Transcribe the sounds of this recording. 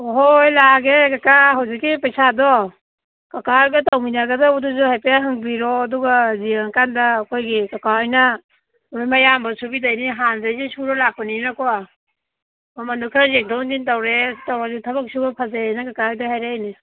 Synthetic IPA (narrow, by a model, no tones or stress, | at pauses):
ɦojlaɡekakaɦawzikːipajsadɔ | kakajɡatawminaɡadauduzuhajpejaɦɯŋbiɾɔːduɡaziaŋkandaːkʰojɡikakaɔjna | ɾojmajambasubidajniɦanzajzisuɾɔlapaninakɔa | mamanukʰɾazeŋ̚dɔwndintawɾetawɾazitʰɐbak̚subapʰazaajnakakajdaɦajɾajni